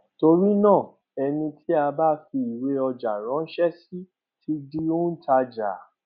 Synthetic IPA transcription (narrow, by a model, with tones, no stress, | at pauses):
to˧ɾi˦nãː˦˨ | ɛ˧nĩ˧tʰi˦a˧ba˦fi˧i˨we˨˦ɔ˧d͡ʒa˨ɾ̃ã˨˦ʃɛ˦si˦ | ti˦di˦o˦n̩˦ta˧d͡ʒa˨